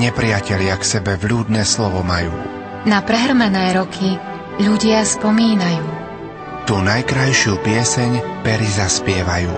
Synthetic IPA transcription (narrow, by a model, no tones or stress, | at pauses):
ɲɛpɾɪacɛʎɪaksɛbɛvʎuːd̪nɛːslɔʋɔmajuː | napɾɛɦɾmɛnɛːɾɔkʰi | ʎuɟɪaspɔmiːnajuː | t̪uːnajkɾajʃuːpɪɛsɛɲpɛɾizaspɪɛʋajuː